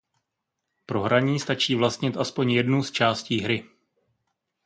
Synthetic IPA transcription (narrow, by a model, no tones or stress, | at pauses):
pɾo̞ɦɾaɲiːst̪at͡ʃiːvlast̪ɲɪt̪ʔaspo̞ɲjɛdnust͡ʃaːsciːɦɾɪ